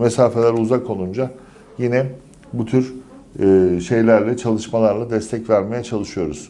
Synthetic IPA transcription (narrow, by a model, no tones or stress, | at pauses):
mesaːfe̞lʲæɾuzakʰo̞lˠund͡ʒa | jinɛ | but̪ʰyɾː | ʃe̞jlʲæɾlʲɛt͡ʃʰalˠɯʃmalˠaɾlˠad̪ɛst̪ʰɛcvæɾme̞jɛt͡ʃʰalˠɯʃɯjo̞ɾuz̥